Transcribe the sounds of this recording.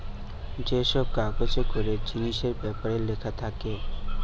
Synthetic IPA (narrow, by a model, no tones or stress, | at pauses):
d͡ʒeːsɔb̚kaːkot͡ʃekʊɾed͡ʒɪniʃeɾpɛpəɽelekʰat̪ʰake